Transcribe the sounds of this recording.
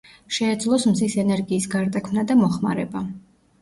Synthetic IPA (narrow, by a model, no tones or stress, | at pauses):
ʃɛːd̪zlˠɔsmzisɛnɛɾɡiːsɡaɾd̪akʰmnad̪amɔχma̰ɾɛba